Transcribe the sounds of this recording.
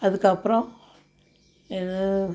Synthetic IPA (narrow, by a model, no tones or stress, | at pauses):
ɐðɨkːɐpːɾõ | iðɨ